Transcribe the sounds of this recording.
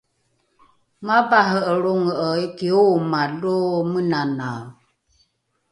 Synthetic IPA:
mabaɦəəɺoŋəʔəjkiomalomənana

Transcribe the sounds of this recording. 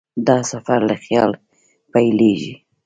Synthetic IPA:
d̪ɑsafaɾlaxjɑl | pajleʒḭ

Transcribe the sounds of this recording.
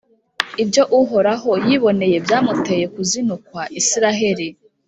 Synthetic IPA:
ibjo̞ʔuɦoɾaɦo̞jiβo̞ne̞je̞bjaːmute̞je̞kuzinukwaʔisiɾaɦe̞ɾi

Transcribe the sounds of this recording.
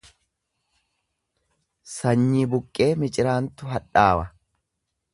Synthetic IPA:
sɐɲːiːbʊkʼːe̞ːmɪt͡ʃʼɪɾaːnt̪ʊɦɐᶑaːwɐ

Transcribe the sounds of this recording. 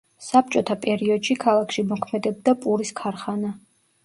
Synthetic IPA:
sap̚t͡ʃʼɔt̪ʰapʼɛɾiɔd̪̥ʃikʰalˠakʰʃimɔkʰmɛd̪ɛb̚d̪apʼuɾiskʰaɾχana

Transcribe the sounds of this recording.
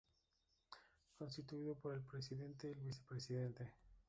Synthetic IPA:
ko̞ns̬t̪it̪uiðopoɾe̞lpɾes̬iðe̞nt̪eːlβisepɾesiðe̞nt̪e̞

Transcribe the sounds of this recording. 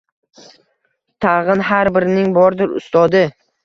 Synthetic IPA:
t̪ʰɑʁɨnɦaɾbɪɾɪnɪŋbɒɾd̪ɪɾʊ̰st̪ɒd̪ɪ

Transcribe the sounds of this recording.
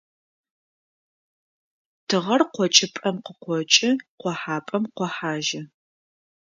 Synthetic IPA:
tʰɨʁɐrqʷɔt͡ʃʼɪpʼɐmqəqʷɔt͡ʃʼɪqʷɔħaːpʼɐmqʷɔħaːʒɐ

